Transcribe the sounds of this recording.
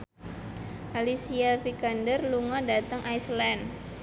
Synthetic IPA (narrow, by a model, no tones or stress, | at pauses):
ʔalisiafikandərluŋɔdat̪əŋajslɛn